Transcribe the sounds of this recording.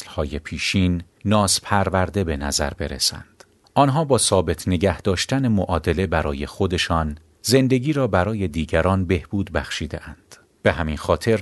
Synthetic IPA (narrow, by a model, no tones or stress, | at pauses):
lhɒːje̞pʰiːʃiːnː | ɒːzpʰæɾvæɾd̪e̞be̞næ̰zæ̰ɾbe̞̰ɾḛsæ̰nd̪̥ | ʔɒːnɦɒːbɒːsɒːbe̞t̪ʰne̞ɟæhd̪̥ɒːʃt̪æne̞moʔɒːd̪e̞le̞bæɾɒːje̞xod̪e̞ʃɒːn | ze̞nd̪e̞ɡiːɾɒːbæɾɒːje̞d̪iːɟæɾɒːnbe̞hb̥uːd̪bæxʃiːd̪eʔænd̪̥ | b̥e̞ɦæminxɒːt̪ʰe̞ɾ